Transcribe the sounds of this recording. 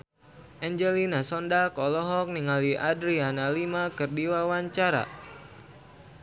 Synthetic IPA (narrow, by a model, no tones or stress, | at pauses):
ʔɛɲd͡ʒɛlinasɔndakɔlɔɦɔk̚niŋaliʔadɾianalimakɨrdiwawaɲt͡ʃaɾa̰